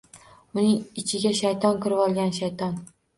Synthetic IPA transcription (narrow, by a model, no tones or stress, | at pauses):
ʊnɪŋɪt͡ʃʰɪɡʲaʃajt̪ʰɒnkʲʰɪɾɪɒlˠɡʲanʃajt̪ʰɒn